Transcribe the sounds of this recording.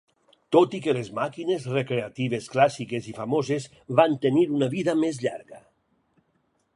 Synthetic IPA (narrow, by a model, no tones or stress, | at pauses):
t̪ot̪ikelezmakinezrekɾeat̪iβ̞esklasikezifamozez | βant̪eniɾunaβiðamezʎa̰ɾɣa